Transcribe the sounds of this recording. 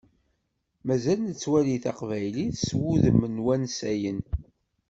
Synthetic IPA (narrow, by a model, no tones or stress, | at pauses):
mæzælnət͡sːwæliθɑqvæjliθswuðəmːənwænsæjən